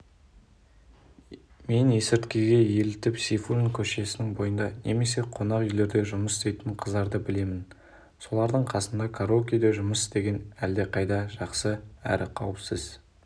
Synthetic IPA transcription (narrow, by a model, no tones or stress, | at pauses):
me̞nje̞sɪɾt̪kʲeɡʲe̞je̞lɪt̪ɪpsifuɾʲnkʲʰɵʃe̞sɪnɪŋbo̞jənd̪ɑnʔe̞me̞se̞qʰo̞nɑqʏjle̞ɾd̪e̞ʒʊməsɪst̪ejt̪ɪɴqʰəzd̪ɑɾd̪əbɪle̞mɪn | so̞lˠɑɾd̪əɴqʰɑsənd̪ɑkʰaɾokʲijd̪eʒʊməst̪eɡʲe̞næld̪e̞qʰɑjd̪ɑʒɑqsəæ̰ɾɪqʰɑwəpsəz